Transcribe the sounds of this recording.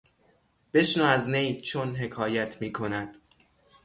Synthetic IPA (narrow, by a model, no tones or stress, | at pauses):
b̥e̞ʃnoæznejt͡ʃʰonɦe̞kʰɒːjæt̪ʰmiːkʰo̞næd̪̥